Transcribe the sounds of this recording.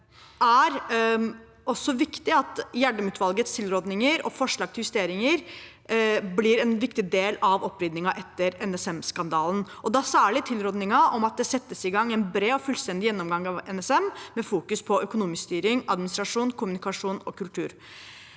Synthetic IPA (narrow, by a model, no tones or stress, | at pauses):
ʔæɾ | ɔsːɔʋɪkt̪ɪɑt̪jæɖəmʉːt̪ʋɑlɡət̪st̪ʰɪlɾoːd̪nɪŋəɾɔ̰fɔʂɭɑːɡ̚t̪ɪljʉst̪eːɾɪŋəɾ | blɪɾɛnʋɪkt̪ɪd̪eːlɑʋɔpːɾʏd̪nɪŋɑʔɛt̪ːəɾɛnɛsɛmskɑnd̪ɑːln̩ʔɔd̪ɑsæːɭɪt̪ʰɪlɾoːd̪nɪŋɑʔɔmɑt̪̚d̪ɛsɛt̪ːəsɪɡɑŋːɛnbɾeːɔfʉlst̪ɛnd̪ɪjɛnːɔmɡɑŋɑʋɛnɛsɛmmɛfuːkʉspʰɔœkʊnuːmɪsst̪yːɾɪŋɑd̪mɪnɪst̪ɾɑʂuːnkʰʊmʉnɪkɑʂuːnɔ̰kʉlt̪ʰʉ̰ːɾ